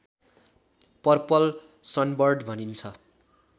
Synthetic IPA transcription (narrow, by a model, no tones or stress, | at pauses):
pʌrpʌl | sʌnbʌrɖbʱʌnint͡sʰʌ